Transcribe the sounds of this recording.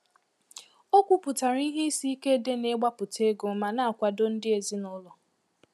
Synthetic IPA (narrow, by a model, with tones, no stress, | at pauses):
o˦kʷu˦pʊ˨ta˨ɾi˦ɦi˦si˦i˦ke˦de˦ne˦ɡ͡ba˦pʊ˨te˦ɡo˨ma˨na˦˨a˨kʷa˨do˦n̩˦dɪ˦e˨zi˦nɔ˦lɔ˨